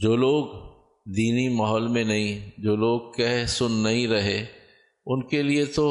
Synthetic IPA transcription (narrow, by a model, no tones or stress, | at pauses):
d͡ʒoːloːɡ | d̪iːnimɐɦɔːlmẽnɐɦĩd͡ʒoːloːɡ̚kɛɦsʊnːɐɦĩɾɐɦe | ʊnkeliet̪o